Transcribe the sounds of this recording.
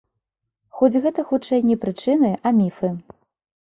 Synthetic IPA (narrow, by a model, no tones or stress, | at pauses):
xɔd͡zʲɣɛt̪ɐxut͡ʂɛjnʲɛpɾɨt͡ʂɨnɨʔamʲifɨ